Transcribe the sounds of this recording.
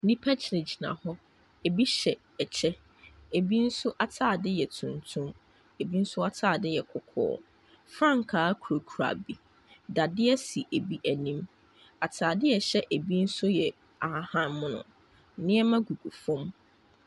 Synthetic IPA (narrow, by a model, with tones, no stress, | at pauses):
nĩ˦pʰa˦t͡ɕʰnɪ˨d͡ʑi˨nã̰˨hɔ˦ | e˨bi˦ɕɛ˨ | ɛ˨t͡ɕʰɛ˦ | e˨bi˦n̩˦sʊ˦ʔa˦tʰaː˦˨dɪ˦jɛ˨tʰũ˨ntʰũ˦m | e˨bi˦n̩˦sʊ˦a˦tʰaː˨dɪ˦jɛ˨kʰʊ˨kʰɔ̰ː˨˦ | fɾã˦˨ŋkʰaː˨˦kʰu˨ɾo˨kʰu˨ɾa̰˨bi˨ | da˨dɪ˦ɛ˦si˨ʔe˨bi˦ʔæ˨nĩ˦m | a˨tʰaː˨dɪ˦jɛ˨ɕɛ˦ʔe˨bi˦n̩˦sʊ˦jɛ˨ | a˨˦hã˦˨nmʊ̃˦nʊ̰̃˨˦ | nɪ̃˦ɛ˦mã˦ɡu˨ɡu˨fɔ̃˦m